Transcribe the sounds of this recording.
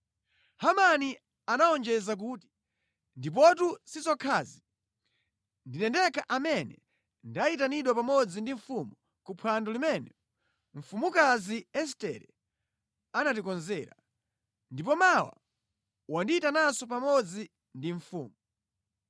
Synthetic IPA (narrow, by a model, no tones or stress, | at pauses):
hamani | anaɔnd͡ʒɛzak̬uːti̥ | ndip̬ɔtusit͡sɔkʰazi | ndinɛndɛkaʔamɛnɛ | ndaitaniɗwapamɔd͡zindiɱfumu | kupʰwandɔlimɛnɛ | ɱ̩fumukaziɛstɛ̰ɾɛ | anatikɔnzɛːɾa | ndipɔmawa̰ | wandiitanasɔp̬amɔd͡zi | ndiɱfṵːmu